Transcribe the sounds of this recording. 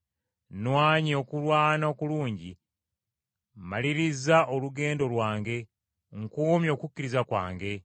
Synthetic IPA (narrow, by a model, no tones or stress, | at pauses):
nwaːɲio̞kulwaːnokuluːɲɟi | maliɾizaʔoluɡe̞ːndo̞lwaːŋɡe̞ | ŋkuːmjo̞ːkukːiɾizakwa̰ːŋɡe̞